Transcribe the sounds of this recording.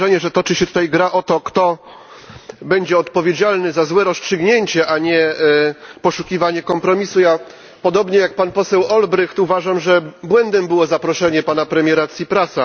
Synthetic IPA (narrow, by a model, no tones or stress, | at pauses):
ɛɲɛʐɛt̪ɔt͡ʂɘɕɛt̪ut̪ajɡɾaʔɔt̪ɔkt̪ɔ | bɛɲd͡ʑɛɔt̪pɔvʲjed͡ʑalnɘzazwɛɾɔstʂɘɡɲeɲt͡ɕɛʔaɲɛ | pɔʂukʲivaɲɛkɔmpɾɔmʲisuja | pɔd̪ɔbɲɛjak̚panpɔsɛwɔlbɾɘxt̪uvaʐamʐɛbwɛnd̪ɛmbɘwɔzapɾɔʂɛɲɛpanapɾɛmʲjɛɾat̪sʲjipɾasa